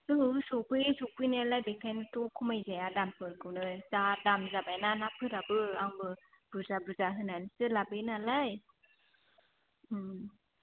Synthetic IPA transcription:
ɯsɔpɯjsupɯjnalajbekʰajnɯtɔkʰumajzajadampɯɾkɯwnɯjzadamzabajnanapʰɯɾabɯaŋbɯ | b̥ɯzabɾɯzaɦɯnajnsɯlabɯnalaj

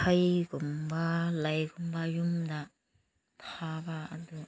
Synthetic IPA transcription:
ajɡumbaləjɡumbajumd̪a | tʰabaa̰d̪u

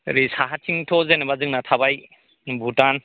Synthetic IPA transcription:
ɾisaɦatʰiŋtʰɔzenebazɯŋnatʰabaj | bʱutan

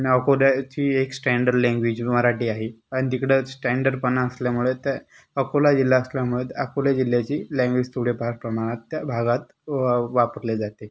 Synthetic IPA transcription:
aniəkolat͡ɕiːeksʈɛɳɖəɾlɛ̃ŋɡʋed͡ʑməɾaʈiːaɦiaɽ̃it̪ikɽesʈɛ̃ɳɖəɖpənaəsljamuɭet̪a | əkolad͡ʑilːjaəsljamuɭet̪əkoljad͡ʑil̤jat͡ɕiːlɛ̃ŋɡʋed͡ʑt̪ʰuɽepaɾpɾəmaɽ̃at̪ːjabʱaɡat̪ | ʋapəɾled͡zat̪e

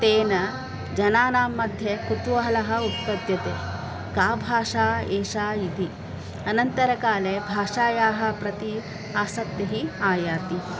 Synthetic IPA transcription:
t̪eːnɐ | d͡ʒɐnaːnaːmːɐd̪ʱjɐkut̪uʋɐɦɐlɐɦɐ̆ut̪pɐd̪jɐt̪ḛː | kaːbʱaːʂaːeːʂaːit̪i | ɐnɐnt̪ɐɾɐkaːlebʱaːʂaːjaːɦɐ̆pɾɐt̪i | aːsɐk̚t̪ɐɦiaːjaːt̪i

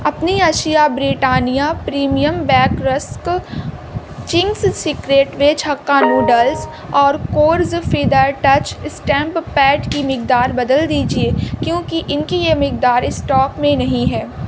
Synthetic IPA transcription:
ɐpniɐʃijabɾiːʈaːnijapɾiːmijəmbɛːkɾɐsk | t͡ʃɪ̃ŋɡssɪkɾeːʈʋet͡ʃɦɐkːanuːɖəls | ɔːɾkoːɾzfʰiːd̪aːɾʈɐt͡ʃɪsʈɛ̃ːmppɛːɖkimɪk̚d̪aːɾbɐd̪əld̪iːd͡ʒieːkjõːkiʔɪnkijemɪk̚d̪aːɾɪsʈɔːkmẽnɐɦĩɦɛː

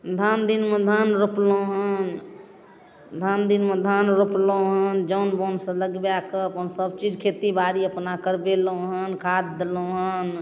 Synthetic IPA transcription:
d̪ʱand̪inmed̪ʱanɾoplõɦən | d̪ʱand̪inmẽd̪ʱanɾoplõɦənd͡ʒəʊnbonsə̃ləɡbjakəəpənsəb̚t͡ʃid͡ʒkʰet̪ibaɾiəpnakəɾbeloɦənkʰad̪̚d̪elõɦən

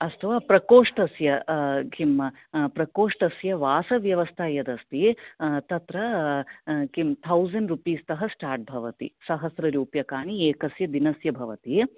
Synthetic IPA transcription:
ɐst̪ʰɐʋaːpɾɐkoːʂʈɐsjɐkimːɐ | pɾɐkoːʂʈɐsjɐʋaːsɐʋjɐʋɐst̪ʰajɐd̪ɐst̪iet̪ɐt̪ɾɐ | kimt̪ʰɐwzɐɳɖɾupiːst̪ɐɦɐsʈaːɾʈ̚bʱɐʋɐt̪ḭsɐɦɐsɾɐɾuːpjɐkaːnieːkɐsjɐd̪inɐsjɐbʱɐʋɐt̪i

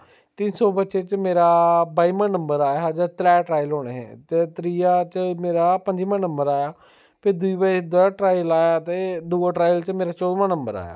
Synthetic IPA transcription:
t̪ɪnsɔːbətːʃet͡ʃmeːɾaːbaːiːmãːnəmbəɾaːjaːɦad͡ʒat̪ɾɛːʈɾaːjlɦoːɽ̃ḛːɦɛ̰̃ːt̪eːt̪ɾiːat͡ʃmeːɾaːpəɲd͡ʒiːmãːnəmbəɾaːjaː | pʰɪɾd̪ʊiːbad̪ʊaːʈɾaːjlaːjaːt̪eːd̪uːaʈɾaːjəlt͡ʃmeːɾaːt͡ʃɔːd̪mãːnəmbəɾa̰ːja̰ː

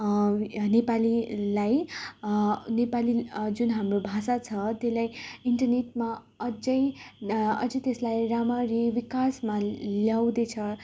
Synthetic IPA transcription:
nepalilaj | nepalid͡zunɦamrobʱasat͡sʰʌt̪elajiɳʈʌrneʈma | ʌd͡zʌj | ʌ̰d͡zʌjt̪eslajramaɾiwikasmaljawd̪et͡sʰʌ

